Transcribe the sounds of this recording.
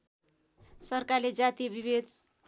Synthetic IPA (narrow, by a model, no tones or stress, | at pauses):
sʌrkaɾled͡zat̪ibibed̪